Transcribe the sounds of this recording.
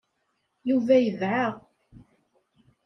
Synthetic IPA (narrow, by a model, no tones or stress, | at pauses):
juvæjəvʕa